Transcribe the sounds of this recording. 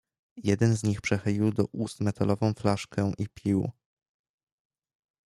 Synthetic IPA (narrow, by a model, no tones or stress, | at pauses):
jɛd̪ɛnzɲixpʂɛxɘlʲiwd̪ɔʔust̪mɛt̪alɔvɔ̃w̃flaʂkɛʔipʲʰiw